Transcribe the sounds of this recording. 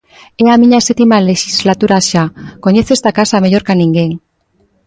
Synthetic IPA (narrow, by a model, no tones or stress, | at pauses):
e̞amiɲaset̪imale̞ʃizlat̪uɾaʃako̞ɲe̞θe̞st̪akasamaʝo̞ɾkaniŋɡeŋ